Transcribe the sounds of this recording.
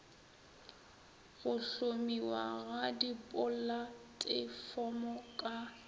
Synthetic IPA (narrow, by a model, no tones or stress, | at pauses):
ɣʊɬomiwa̰ɣadipʼʊlatʼɪfɔmɔkʼa